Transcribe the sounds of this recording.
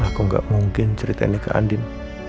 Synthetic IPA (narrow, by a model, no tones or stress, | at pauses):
akuŋɡa̰ʔmuŋkɪnt͡ʃəɾit̪a̰inikaʔa̰ndɪn